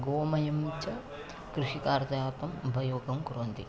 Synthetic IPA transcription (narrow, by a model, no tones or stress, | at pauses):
ɡoːɐmɐjɐmːit͡ʃːɐ | kɾuʂikaːɾt̪ɐjaːt̪ɐmbʱɐjoːɡɐmkuɾoːnd̪ḭ